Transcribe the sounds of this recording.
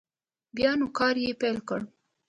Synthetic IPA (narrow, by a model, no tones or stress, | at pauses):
bjɑnukɑɾjepajlkəɽ